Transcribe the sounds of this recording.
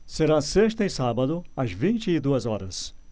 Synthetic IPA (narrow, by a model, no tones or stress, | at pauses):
seɾãseʃt̪ɐɪsabɐd̪ʊɐzvĩt͡ʃɪːd̪uɐzɔɾɐs